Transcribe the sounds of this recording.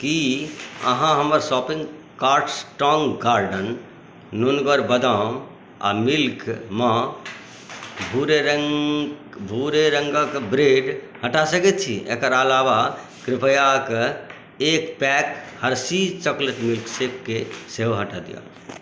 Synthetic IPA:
kiə̰ɦãɦəməɾsɔpĩŋɡ | kaɾʈsʈɔŋɡaɾɖənː | unɡəɾbəd̪am | a̰milkma | bʱuɾeɾə | bʱuɾeɾəŋɡəkbɾeɖ | həʈasəkɛt̪̚t͡ʃʰḭḛkəɾəlaba | kɾɪpʰəjak | ekpɛkhəɾsit͡ʃəklet̪milksekːeseɦoɦəʈad̪ḭjã̰

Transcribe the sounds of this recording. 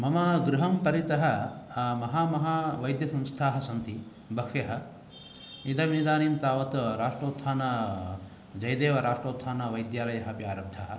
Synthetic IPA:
mɐmɐɡɾuɦɐmpɐɾit̪ɐɦɐmɐɦaːmɐɦaːʋɐjd̪jɐsɐ̃mst̪ʰaːɦɐsɐnt̪i | bʱɐkʂjɐɦɐ̆ | id̪ɐʋnid̪aːnint̪aːʋɐt̪ɾaːʂʈɾoːt̪saːnɐ | d͡ʒɐjd̪eːʋɐɾaːʂʈɾoːt̪ʰːaːnɐʋɐjd̪jaːlɐjɐɦɐpjaːɾɐb̚d̪ʰʱaːɦɐ

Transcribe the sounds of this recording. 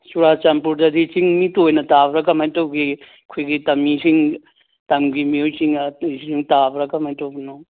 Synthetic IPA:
suɾat͡ʃampuɾdɐdit͡ʃiŋmitojnɐtabɾɐkɐmajtowɡi | kʰojɡitɐmisiŋ | tɐŋɡimiojt͡ʃiŋɐsiŋtabɾakɐmhajtawɡno

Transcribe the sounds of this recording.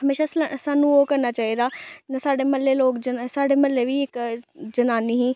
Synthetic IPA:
ɦəmeːʃaːsaːnũːoːkəɾnaːt͡ʃaːɦiːd̪aːnasaːɖeːməlːeloːkd͡ʒəsaːɖeːməlːeʋiːɪkd͡ʒənaːniɦĩː

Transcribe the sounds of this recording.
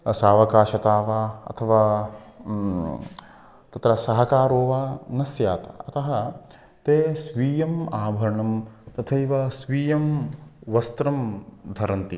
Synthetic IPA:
saːʋɐkaːʃɐt̪aːʋaːɐ̰t̪ʰɐʋaː | t̪ɐt̪ɾɐsɐɦɐkaːɾoːʋaːnɐsjaːt̪ɐ̰ɐt̪ɐɦɐ | t̪eːsʋiːjɐmaːbʱɐɾɐɳɐmt̪ɐt̪ʰɐiʋɐsʋiːjɐmʋɐst̪ɾɐmd̪ʱɐɾɐnt̪i

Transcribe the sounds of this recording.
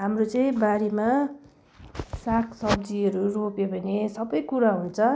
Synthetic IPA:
ɦamrot͡sʌĩbaɾema | sakʰsʌbd͡ziʌɾuropjebʱʌnesʌbʌjkuɾaɦunt͡sʰʌ

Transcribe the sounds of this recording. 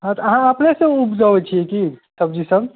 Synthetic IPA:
ɦãt̪ɔəɦãəpnesə̃upʰd͡ʒaʋɛt͡ʃʰiekisəb̚d͡ʒisəb

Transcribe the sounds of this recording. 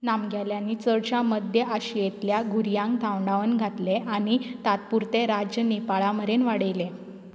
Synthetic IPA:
namɡʱjaljanːiːt͡səɽɕaməd̪ʱjəʔaɕijet̪ljaɡʱuɾijãŋk̚t̪ʰaʋɳɖaʋənɡʱat̪leʔaɽ̃it̪at̪̚puɾt̪eɾad͡ʑjənepaɭaməɾenʋaɽəjle

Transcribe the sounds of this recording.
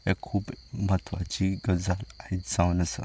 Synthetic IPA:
ekʰːuːpmət̪ʰʋa̰t͡ɕiɡəd͡zalaɦit̪d͡zãwnəsə̰

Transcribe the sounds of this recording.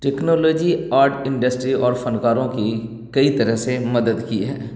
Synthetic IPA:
ʈeːknoːloːd͡ʒiaːɾɖɪ̃ɳɖəsʈɾiʔɔːɾfɐnkaːɾõki | kɐit̪ɐɾəɦsemɐd̪əd̪kiɦɛ̰ː

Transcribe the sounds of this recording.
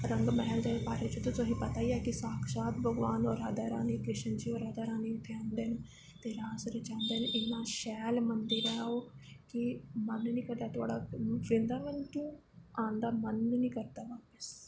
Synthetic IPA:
ɾəŋɡmɛɦɛld̪eeːpaːɾeːt͡ʃot̪ʊsõɦĩːpət̪aːiːaːkɪsaːkʰsaːt̪bʱəɡʋaːnoːɾaːd̪aːɾaːniːkɾɪʃənd͡ʒiːoːɾaːd̪aːɾaːniːʊt̪ʰːeãːnd̪eːn | t̪eːɾaːsɾeːt͡ʃãːnd̪eːnʔɪnãːʃɛːlmənd̪iɾɛːaoːkɪmənːnĩːkəɾd̪aːt̪ʊaːɽaːfʰɾɪ̃nd̪aːmẽnʈũː | ãːnd̪aːmənnĩːkəɾd̪aːʋaːpəs

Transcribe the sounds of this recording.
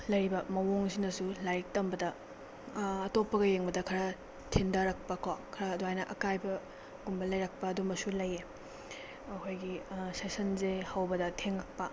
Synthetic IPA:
lɐjɾibɐmɐwoŋsinɐsulajk̚tɐmbɐdɐ | topːɐɡɐjeŋbɐdɐkʰɐɾɐ | tʰindɐɾɐk̚pɐkʰwakʰɐɾɐːduɦajnɐʔɐkajbɐ | ɡumbɐlɐjɾɐk̚pɐːdumɐsulɐje | ɐkʰojɡisesɐnzehɐwbɐdɐtʰeŋlɐk̚pɐ

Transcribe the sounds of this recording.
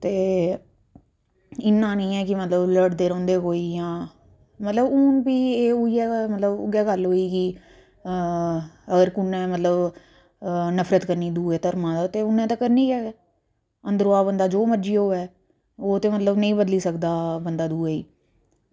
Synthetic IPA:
t̪eː | ɪnːãːnĩːɛːkɪmət̪ləbləɽd̪eːɾõːnd̪eːkoːiːjãː | mət̪ləbuːnpiːeːoiːɛːmət̪ləbʊ̰ɡɛːɡəlɦoːiːkɪ | əɡəɾkʊnːɛ̃ːmət̪ləb | nəpʰɾət̪kəɾniːd̪uːeːt̪əɾmãːd̪aːt̪eːʊnːẽːt̪ãːkəɾniːkɛː | ənd̪əɾoːaːbənd̪aːd͡ʒoːməɾd͡ʒiːoːɛː | oːt̪eːmət̪ləbnəĩːbəd̪liːsəkd̪aːbənd̪aːd̪uːeḭː

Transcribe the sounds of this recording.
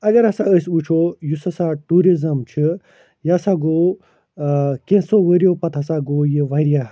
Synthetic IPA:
ɐɡɐɾɦɐsãəsut͡ʃʰoːjusɐsaʈuːɾizɐmt͡ʃʰi | jasaːɡoː | kẽsoʋəɾijopɐt̪ɦɐsaːɡoːjiʋɐɾijaː

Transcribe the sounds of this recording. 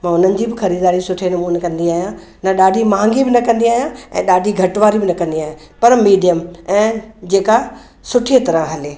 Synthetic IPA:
mãːʊn̤ənɪ̆d͡ʑiːbɪxɐɾiːd̪aːɾisʊʈʰenɐmuːnekɐ̃nd̪iaːɦjã | nɐɗaːɖʱimãːŋɡibɪnɐkɐ̃nd̪iaːɦijãɛ̃ːɗaːɖʱiɡʱɐʈʋaːɾibɪnɐkɐ̃nd̪iaːijãpɐɾmiːɖijəmɛ̃ːd͡ʑeːka | sʊʈʰiet̪ɐɾə̃ɦɐleː

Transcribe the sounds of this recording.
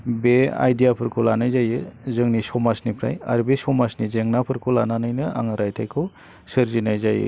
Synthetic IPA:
bea̰jdijapʰɯɾkʰulanajzajɯzɯŋnisɔmasnipʰɾa̰ja̰ɾbesɔmasnizeŋnapʰɯɾkʰulananɯjnɯa̰ŋɾajtʰajkʰu | sɯɾzinajzajɯ̰

